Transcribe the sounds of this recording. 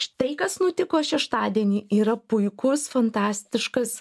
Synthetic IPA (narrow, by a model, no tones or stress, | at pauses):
t̪ɐɪkɐsnʊt̪ʲɪkoːʃʲɛʃt̪ɑːd̪ʲiɛnʲiːʔiːɾɐpʊɪkʊsfɐnt̪ɑːsʲt̪ʲɪʃkɐs